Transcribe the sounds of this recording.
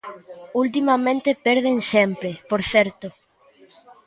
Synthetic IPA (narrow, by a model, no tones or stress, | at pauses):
ult̪̬imamẽnt̪ɪpɛɾðeŋsɛmpɾepoɾθɛɾt̪ʊ